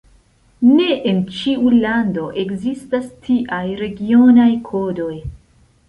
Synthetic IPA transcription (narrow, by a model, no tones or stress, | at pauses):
ne̞ʔent͡ʃiulando̞ʔe̞kzistastʰiʔajɾe̞ɡio̞najkʰo̞do̞j